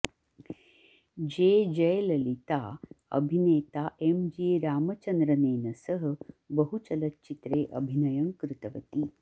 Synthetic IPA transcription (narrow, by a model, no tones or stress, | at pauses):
d͡ʒeːd͡ʒɐjlɐlit̪aːɐ̰bʱineːt̪aːʔemd͡ʒeːɾaːmɐt͡ʃɐnd̪ɾɐneːnɐsɐɦɐ̆bɐɦut͡ʃɐlɐtt͡ʃit̪ɾeːʔɐ̰bʱinɐjɐŋkɾɪt̪ɐʋɐt̪i